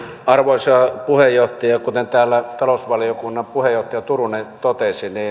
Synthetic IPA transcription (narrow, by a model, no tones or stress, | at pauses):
ɑrʋoˑisɑpuhejːoht̪ɑjɑkut̪ent̪æːlːæt̪ɑlosʋɑlijokunːɑmpuhejˑoht̪ːˑɑjɑt̪urunet̪ot̪esiniː